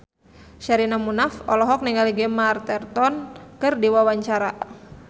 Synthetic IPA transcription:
ʃaɾinamunafɔlɔɦɔk̚niŋaliɡɛmart̪ɛrt̪ɔnkɨrdiwawaɲt͡ʃaɾa

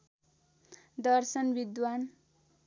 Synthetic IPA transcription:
d̪ʌrsʌnbid̪wan

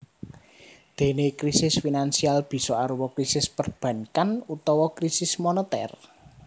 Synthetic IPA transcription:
d̪̥e̤nekɾisɪsfinansialb̥i̤sɔaɾuwɔkɾisɪspərb̥ä̤nkanut̪ɔwɔkɾisɪsmɔnɔt̪ɛ̰r

